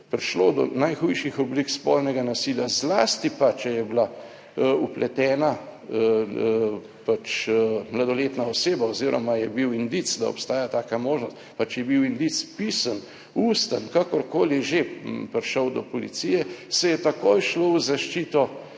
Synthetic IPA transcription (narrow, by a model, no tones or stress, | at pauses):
pɾiʃlod̪ɔ̰najxujʃixɔblikspɔlnɛɡanasiljazlaːst̪ipat͡ʃɛjɛbla | uplʔɛt̪ɛːna | pat͡ʃmlad̪ɔleːt̪naɔseːbaɔziːɾʔɔ̰majɛbiwind̪it̪sd̪a̰ɔ̰pst̪aːjat̪aːkamoːʒnɔst̪pat͡ʃjɛbiwind̪it̪spisən | uːst̪ənkakɔɾkoːliʒepɾʃəwd̪ɔpɔlḭt̪sijɛsɛjɛt̪akojʃlowzaʃt͡ʃiːt̪ɔ